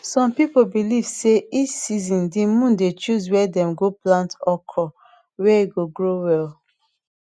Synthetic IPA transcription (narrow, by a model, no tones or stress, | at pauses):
sɔ̃mpipobilivseit͡ʃsizĩndimũndet͡ʃuzwɛdɛ̃mɡoplãntɔkʰɔ | wɛiɡoɡɹowɛl